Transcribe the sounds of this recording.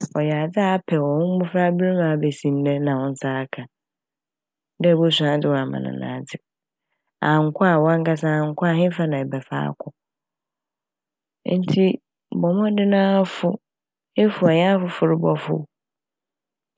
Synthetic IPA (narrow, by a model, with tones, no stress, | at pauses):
ɔ˨ja˨d͡zɪ˦a˦˨˦pʰɛ˨wɔ̃˨hʊ̃˦m̩˦bʊ̃˦fɾa˦bɾi˦mã˨˦˨bɛ˨sĩ˨n˦dɛ˦nã˨wɔ̃˦n̩˦saː˦kʰã˨ | dɛ˦˨bo˦s̬ᶣã˦d͡zɪ˨wɔ̃˨a˨mã̰˨nã̰˨nã̰ː˨dɪ˨ | ã˨ŋ̩˨kʰʷʊ˦a˦˨wɔ˦a˦ŋ̩˦ka˦sã˦a˨ŋ̩˨kʰʷʊ˦a˨ɦɪ̃˦fa˦nã˨ɛ˨bɛ˨fa̰ː˦kʰʊ˨˦ | n̩˦tʰi˦ | bɔ˨mɔ̃˦dɪ˦nãː˦fʊ˦ | e˦fʊ˨ɛ˨ɲ˦ã˦fʊ˨fʊ˨ɾɪ˦bɔ˦fʊ̰˦